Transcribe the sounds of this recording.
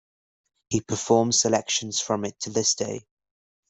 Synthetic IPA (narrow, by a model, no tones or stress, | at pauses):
hipʰəfɔːmz̥səlɛkʃə̃nz̥fɹə̃mɪtʰəðɪsd̥eɪ